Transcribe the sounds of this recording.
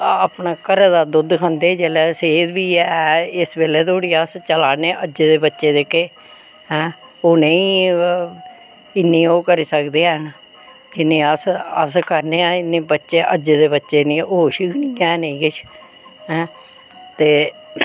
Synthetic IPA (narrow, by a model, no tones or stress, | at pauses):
pnaːkəɾad̪aːd̪ʊd̪kʰə̃nd̪eːd͡ʒeːlɛːseːd̪biːɛɪsbeːleːt̪ʰoːɽiːəst͡ʃəlaːneːʔəd͡ʒd̪eːbətːʃeːd̪eːkeː | ɦɛ̃ː | oːnəĩː | ɪnːĩːoːkəɾiːsəkd̪eːɛn | d͡ʒɪnːẽːəsəskəɾneːãːɪnːẽːbətːʃeːʔəd͡ʒd̪eːbətːʃeːnĩːoːʃikʰnĩːɛːneĩːkɪt͡ʃʰ | ɦɛ̃ː | t̪eː